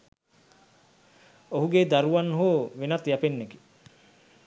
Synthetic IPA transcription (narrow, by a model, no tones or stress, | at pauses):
oɦuɡed̪aɾuʋanːɦuʋenat̪japenːeki̥